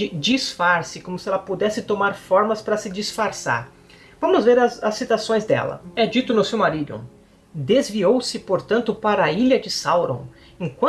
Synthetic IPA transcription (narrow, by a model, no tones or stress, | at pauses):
ɪd͡ʒisfaɾsɪkõmʊsɪɛlɐpud̪ɛsɪt̪omaɾfɔɾmɐspɾɐsɪd͡ʒisfaɾsa̰ɾ | vɐ̃mʊzveɾɐzɐsːit̪asõj̃zd̪ɛ̰lɐ̰ɛd͡ʒit̪ʊnʊsewmaɾid̪ʊ̰ | d̪ezviowsɪpoɾt̪ɐ̃nt̪ʊpaɾɐɐiʎɐd͡ʒɪsawɾõ̰ | ẽŋkwɐ̃